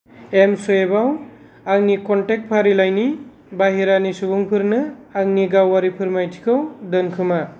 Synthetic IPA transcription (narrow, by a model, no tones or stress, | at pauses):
emsɔjebaw | aŋnikɔnʈek̚t̚pʰaɾilajni | baɦiɾanisubuŋpʰɯɾnɯaŋniɡawaɾipʰɯɾmajtʰi̥kʰɯwdɯnkʰɯma